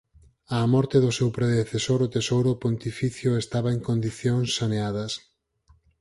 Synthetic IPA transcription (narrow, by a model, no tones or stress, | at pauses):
ɐːmɔɾt̪eðʊsewpɾeðeθesoɾʊt̪esowɾopont̪ifiθjʊest̪aβɐeŋkond̪iθjoŋsːaneaðɐs